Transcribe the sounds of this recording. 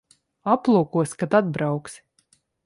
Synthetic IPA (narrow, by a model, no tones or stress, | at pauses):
aplˠuɔkuɔsʲkat̪ad̪̚bɾawks